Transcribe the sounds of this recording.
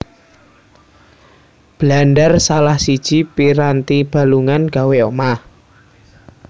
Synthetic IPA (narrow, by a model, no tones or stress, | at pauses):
b̥lanɖərsalahsid̥ʒ̥i̤piɾant̪ib̥a̤luŋanɡ̥a̤weoma